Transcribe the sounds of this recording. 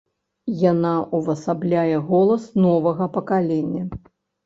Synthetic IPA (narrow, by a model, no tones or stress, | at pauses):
janaʔuvɐsablʲajɛɣɔlˠɐsnɔvɐɣɐpɐkalʲɛnʲːɐ